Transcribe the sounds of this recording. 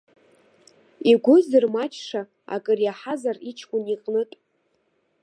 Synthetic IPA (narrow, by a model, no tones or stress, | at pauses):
iɡʷʊzɨrmat͡ʃʰʂa | a̰kʼɨrjaħazarit͡ʃʰkʷʼʊniqʼnɨtʼ